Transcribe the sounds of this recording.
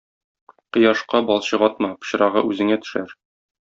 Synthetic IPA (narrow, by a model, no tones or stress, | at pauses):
qɤ̆jɑʃqɑbɒlˠɕɤʁɒt̪̚mɑpɤ̥̆ɕɤ̆ɾɑʁɤ̰ʉzɘ̆ŋæt̪ɵ̥̆ʃæɾ